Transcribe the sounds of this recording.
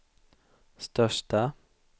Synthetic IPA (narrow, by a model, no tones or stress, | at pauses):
st̪œʂʈa